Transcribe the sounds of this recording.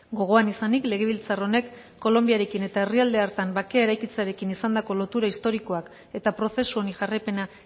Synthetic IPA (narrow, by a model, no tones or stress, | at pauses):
ɡo̞ɣ̞o̞anisanikle̞ɣ̞e̞β̞ilt͡saro̞ne̞kː | o̞lo̞mbiaɾe̞kine̞t̪ae̞riald̪e̞aɾt̪ambakeae̞ɾajkit͡seaɾe̞kinisand̪ako̞lo̞t̪uɾaist̪o̞ɾiko̞ak | e̞t̪apɾo̞se̞suoniʝarepe̞na